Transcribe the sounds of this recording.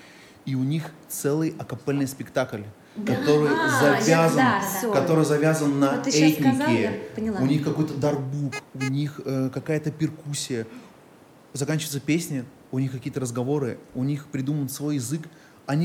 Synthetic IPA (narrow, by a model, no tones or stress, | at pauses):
iʊnʲixt̪sɛlˠɨjɐkɐpɛlʲnɨjspʲɪkt̪aklʲ | kɐt̪o̞ɾɨjzɐvʲazənkɐt̪o̞ɾɨjzɐvʲazənːəɛtʲnɪkɪpnʲˠaʊnʲixkɐko̞jt̪əd̪ɐrɡbukʊnʲixəkɐkajət̪əpʲɪrkusʲːɪjə | zɐkanʲt͡ɕɪvət̪səpʲesʲnʲɪ | ʊnʲixkɐkʲijət̪əɾəzɡɐvo̞ɾɨʊnʲixpɾʲɪd̪umənt̪svo̞jɪzɨk | ɐnʲi